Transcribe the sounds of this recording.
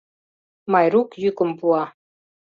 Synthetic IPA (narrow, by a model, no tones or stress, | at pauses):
mɑjɾukjykə̆mpuɑ